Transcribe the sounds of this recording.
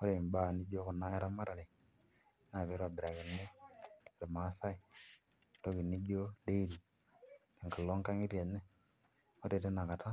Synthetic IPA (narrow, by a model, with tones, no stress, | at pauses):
o˦ɾe˨mba˦˨ni˦d͡ʒo˦ko˨na˦e˦ɾa˦ma˦ɾa˨ɾe˨˦ | na˨βe˨˦ɾa˨bi˨ɾa˨ɣi˨nːe˦˨ɾe˨ma˨˦sa˦i˨˦ | to˦ɣi˨ni˦d͡ʒo˦de˦i˦ɾi˨ | ne˨ŋka˨lo˦ŋka˦ŋi˦ɾa˨ne˦ | o˦te˨te˦na˨ka˨ta˦